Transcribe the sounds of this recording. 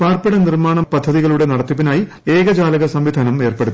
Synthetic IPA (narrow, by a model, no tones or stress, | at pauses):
paːrpiɽɐnirmaːɳɐmpɐd̪ʱːɐðiɣɐɭuɽe̞nɐɽɐt̪ːipːinaːji | eːɡɐd͡ʑaːlɐɣɐsɐmʋid̪ʱaːnɐme̞ːrpe̞ɽut̪ː